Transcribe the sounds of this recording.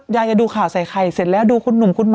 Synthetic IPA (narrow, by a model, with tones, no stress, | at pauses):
jaː˧jaː˨˧˩duː˧kʰaː˨˩wsa˨˩˦jkʰa˨˩jse˨˩t̪̚lɛː˦˥wduː˧kʰu˧nːu˨˩mkʰu˧nm